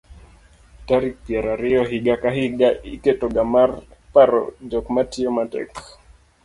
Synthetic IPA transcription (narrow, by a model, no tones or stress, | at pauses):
taɾik̚piaɾaɾiɔɦiɡakaɦiɡaikɛtɔɡamaɾpaɾɔ̰d͡ʒɔkmatiɔmatɛ̰k